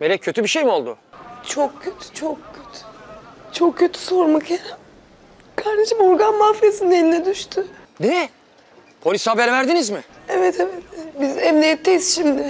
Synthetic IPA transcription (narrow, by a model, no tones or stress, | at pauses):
belʲɛcʰø̞t̪ʰybiʃejbo̞lˠd̪ʊ̰t͡ʃʰokcʰøt̪ʰy̥t͡ʃʰokcʰøt̪ʰy̥t͡ʃʰokcʰːø̞t̪ʰy̥so̞ɾmakjeɾɛm | kʰaɾd̪eʃimoɾɡanmafjesind̪eninɛd̪yʃt̪ʰynɛɛ | pʰo̞lʲisabɛɾvæɾd̪inizmɪɛvɛt̪ʰevɛt̪bizɛmnijɛt̪ʰːeisʃimd̪ɪ